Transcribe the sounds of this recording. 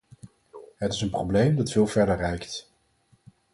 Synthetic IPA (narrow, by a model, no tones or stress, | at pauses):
ɦətɪsənproblejmdɑtfɪːlˠvɛɹdərːɛjkt